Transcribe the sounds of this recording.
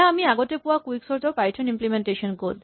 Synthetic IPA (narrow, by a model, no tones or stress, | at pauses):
amiaɡot̪epuakuiksoɾt̪opajʈʰonimplimeɳʈeʃonkod